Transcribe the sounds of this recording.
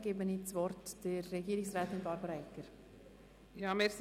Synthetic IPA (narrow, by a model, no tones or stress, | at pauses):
ɡ̥eːbənit͡sʋɔrtd̥əɾːɛɡiːɾɪksrɛːtɪnbɑɾbəɾɛkːəɾ | jɑːmes